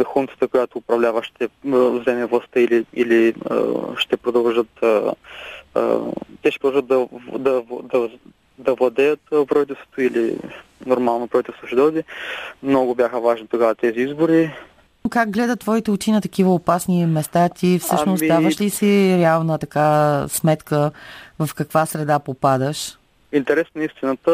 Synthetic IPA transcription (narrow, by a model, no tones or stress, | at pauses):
xunt̪ə̥t̪əkojat̪oːpɾɐvlʲavəʃt̪ɛvzɛmɛvlˠɐst̪əiliilḭ | ʃt̪ɛpɾod̪ɐlˠʒət̪ə̰ | t̪ɛʃtɛpɾd̪ɐʒəd̪d̪ɐd̪ɐd̪ɐ | d̪ɐvlˠɐd̪ɛjət̪pɾɐvit̪ɛlˠst̪vo̥t̪oilḭnoɾmalˠnopɾɐvit̪ɛlˠst̪voʃid̪ɔd̪imnɔɡʊbʲjaxəvaʒnit̪oɡavət̪ɛziizbʊɾi | kaɡ̚ɡlɛd̪ət̪ːvɔit̪ɛut͡ʃinət̪ɐkivəopasnimɛst̪at̪ifssɤaʃnosd̪avəʃlisiɾɛalˠnət̪ɐkasmɛt̪kəvɐfkɐkvasɾɛd̪apopad̪əʃ | int̪ɛɾɛsnɐist̪inət̪ə